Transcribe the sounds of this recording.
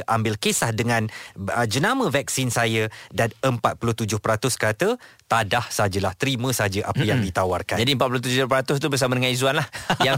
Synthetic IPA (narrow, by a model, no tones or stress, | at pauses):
ʔambɪlkesahdəŋãnəd͡ʒənamə̃vɛk̚sinsajədanəmpat̪̚pulʊht̪ud͡ʒʊhpəɾat̪ʊskəɾat̪ət̪adahsəaad͡ʒəlaht̪əɾimə̃saad͡ʒəʔapəjaŋdit̪awarka̰nd͡ʒadiəmpat̪̚pulʊt̪ud͡ʒʊpəɾat̪ʊst̪ubərsamadəŋanizuanlahjaŋ